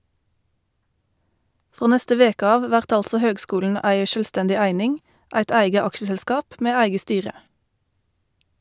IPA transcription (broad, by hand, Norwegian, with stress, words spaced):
ˈfʁoː ˈnɛstə ˈʋeːk ˈɑːʋ ˈʋæʁt ˈɑlsɔ ˈhøːɡˌskuːln̩ ˈæɪ ˌʃøːlˈstɛndɪ ˈæɪnɪŋ ˈæɪt ˈæɪɡə ˈɑkʃəzɛlˌskɑːp ˈmeː ˈæɪɡə ˈstyːʁə